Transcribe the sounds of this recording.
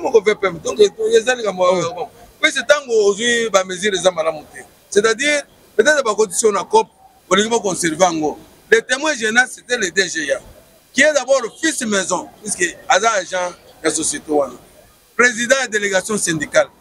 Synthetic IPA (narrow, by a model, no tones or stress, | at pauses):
amokovɛpɛmdɔ̃kezalikamboawojaobam | pisetaŋɡoozwibameziɾezamalamutɛ | setadiʁ | betezabakot̬isinakɔp̚ | oliɡibok̬ɔ̃sɛʁveaŋɡo | letɛmwɛʒenasetɛledeʒeja | kiezabɔlofismɛzɔ̃piskeazaʒã | jasosetewana | pʁezidãjadeleɡasjɔ̃sɛ̃ndikal